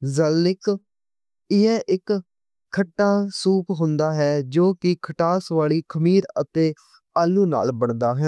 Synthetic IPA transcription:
zəlːɪk | ɪɛːʔɪkʰː | əʈːaːsuːpɦʊ̃nd̪aːɦɛːd͡ʒoːkɪkʰəʈaːsʋaːɭiːkʰəmiːɾət̪eː | aːluːna̰ːlbəɳd̪aːɦɛː

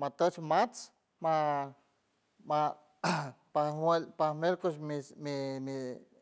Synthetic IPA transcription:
mat̪ət͡ʃmat͡s | ma | ma | paelpamelkoʃmimimi

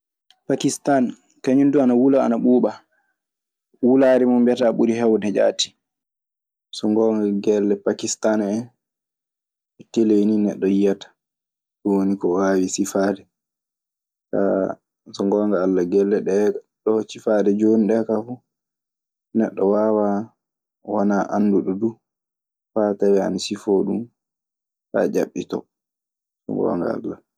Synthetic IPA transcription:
pakistan | kaɲunduanawula̰ːnaɓuːɓa | wulaɾimɔmbjɛtaɓuɾihɛwdɛd͡ʒa̰ːti̥ | sɔŋɡɔːŋɡaɡɛlːɛpakistanɛn | ɔteleninɛɗːɔjatḁ | d͡ʒonikɔwaːwisifaːdɛ | ka̰ | sɔŋɡɔːŋɡaːlːaɡɛlːɛɗɛ | ɗɔsifadɛd͡ʒoniɗɛkafu | nɛɗːɔwawa | wanaʔanːduɗɔdu | fataɾɛa̰nisifɔɗum | fa̰d͡ʒaɓːitɔ̰ | sɔ̰ŋɡɔ̰ŋɡa̰a̰lːa

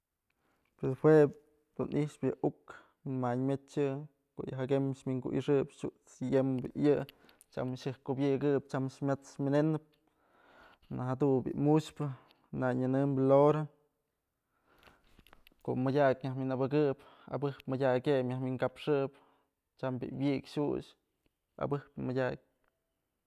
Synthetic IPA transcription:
peshwe | d̪̥unʔiʂpjaʔuk | minmaɲmet͡ʃɨ | ko̰ʔjaɦaɡemʃmiŋkṵʔḭʂɨpʃuʔt͡sjembɨ̰ʔjɨ | t͡ʃa̰mʃɨhkubjɨɡɨpt͡ʃamʃmʲat͡smʲinenɨp̚ | nahad̪unbḭʔmuʃpɨ | naɲɨnɨmbloɾa | ko̰ʔmɨdʲakʲɲahminabɨɡɨpa̰bɨhpmɨdʲakʲepmʲahmiŋkapʂɨp | t͡ʃambḭwjikʲʃṵʃ | a̰bɨhpmɨdʲak̚ʲ

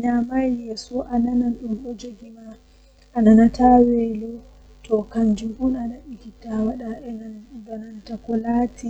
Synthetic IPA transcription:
ɲamajjɛsɔʔananaɗumɗɔd͡ʒoɡima | ʔːnanatawɛlɔ | tʰɔkaɲd͡ʒuhunanaɗikitawaɗaɛnadɔnantakɔlatʰi

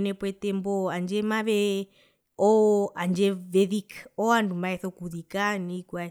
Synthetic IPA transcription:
nɛpwɛtɛmbɔand͡ʒɛmaʋɛ | ɔand͡ʒɛʋɛðikɔandumaɛθɔkuðikanikwa

